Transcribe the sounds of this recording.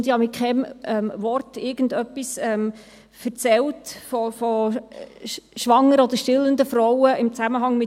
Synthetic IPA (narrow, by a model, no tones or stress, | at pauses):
d̥̪ɪhɑmɪkχɛmɛmʋɔrtɪɾɡ̥ən̩dœpːisɛm | fəɾt͡sɛltfɔfɔ | ʃʋɑŋːəɾɔd̪əɾʃtɪlənd̪əfɾɔwəɪmt͡sæməɦɑŋmɪ